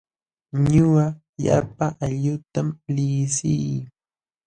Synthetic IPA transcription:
ɲʊwa | ja̰paʔaʎʊt̪amlɪsɪj

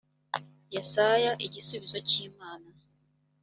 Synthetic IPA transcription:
jesajaʔecisuβizociːmaːna

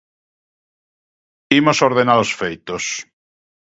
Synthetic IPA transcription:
imosoɾðenaðosfejt̪os

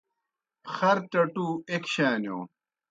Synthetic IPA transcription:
xɐɾt͡ɕɐʈuːekɕaːnjoː

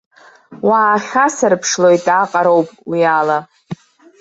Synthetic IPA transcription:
waːχʲasɨrpʰʂlo̞jtʼaqʼaɾowpʼwiala

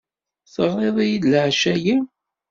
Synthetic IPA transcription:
θəʁeðˤijid̪lʕʃæji

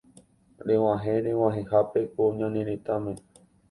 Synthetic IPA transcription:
ɾew̃ãɦẽɾew̃ãɦẽhapekoɲãnĩɾẽt̪amẽ

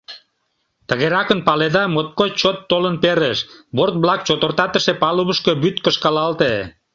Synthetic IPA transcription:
t̪əɣeɾɑkənpɑled̪ɑmot̪̚kot͡ɕot̪ːolənpeɾeʃbort̪̚blɑk̚t͡ɕot̪ə̆rt̪ɑt̪əʃepɑluβəʃkəbyt̪kəʃkɑlɑlt̪e

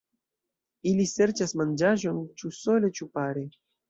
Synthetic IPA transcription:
ilʲiseɾt͡ʃasmand͡ʒaʒont͡ʃusolʲet͡ʃupaɾi

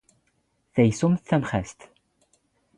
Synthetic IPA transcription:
θæjsʊmθθːæmχæst̪

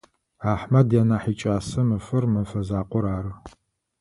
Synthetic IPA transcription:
aːħmɐdjaːnaːħiːt͡ʃʼaːsɐmɨfɐrmɐfɐzaːqʷʼɔɾaːɾɨ

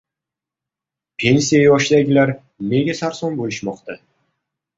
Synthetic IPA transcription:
pʲʰe̞nsijajɒʃd̪aɡʲɪlaɾ | ne̞ɡʲasaɾsɒnbolɪʃmɒqt̪a

